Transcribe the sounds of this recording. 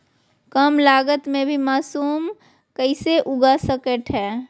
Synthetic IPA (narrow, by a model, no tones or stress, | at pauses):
kəmlaːɡət̪mẽbʱimaːsuːm | kəɪseʔʊɡasəkəʈɦɛː